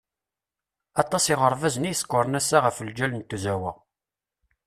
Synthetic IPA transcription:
ɑt̪ˤːɑsiʁəɾˤvæzənijskːʊɾˤnæsːaʁəfəld͡ʒælənt̪ːuzæwəʁ

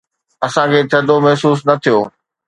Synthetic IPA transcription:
ɐsãkʰeːt̪ʰɐd̪omɐɦsuːs̬nɐt̪ʰijoː

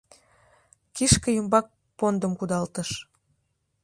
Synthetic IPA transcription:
kiʃkəjumbɑk̚ | pond̪əmkud̪ɑlt̪əʃ

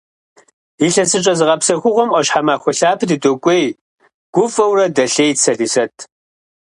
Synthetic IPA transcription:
iɬɐsɨt͡ʃʼɐzɨʁɐpsɐxʷʊʁʷɔmʔɔɕħamaːxʷɔɬaːpʰdɨtʼokʷʼej | ɡ̥ʷʊfʼɐwrɐdɐɬejt͡sʰɐɮisɐtʰ

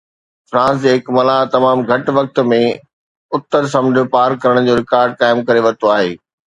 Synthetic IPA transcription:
fɾãːs̬d͡ʑeɦɪkmɐlaːt̪ɐmaːmɡʱɐʈʋɐk̚t̪̆mẽ | ʊt̪ːəɾs̬ɐ̃md̪ʱjopaːɾkɐɾəɽ̃d͡ʑoːɾɪkaːɾɖ̚kaːɪmkɐɾeʋɐɾt̪oaːɦeː

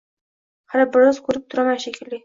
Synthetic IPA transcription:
haɾabɪɾɒzkʰɵɾɪp̚t̪ʰʊɾamanʃekʰʲɪlːɪ

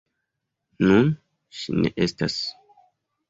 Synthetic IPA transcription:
nun | ʃinḛʔestas

